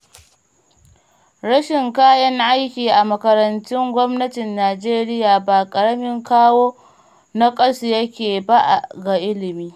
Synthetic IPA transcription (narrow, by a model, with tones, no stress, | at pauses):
ɾɐ˦ʃɪ˨ŋkaː˦jɐ˦ŋʔa˦jkʲiː˨ʔa˨mɐ˨kɐ˨ɾɐ˨ntʊ˦ŋɡʷɔ˦mnɐ˦tɪ˨nːaː˨d͡ʒeː˦ɾɪ˦jaː˨baː˨kʼɐ˨ɽɐ˦mɪ˦ŋkaː˦woː˦ | na˦kʼɐ˦si˨jɐ˦kʲeː˨ba˦ʔa̰˨ɡa˨ʔɪ˦lɪ˨miː˦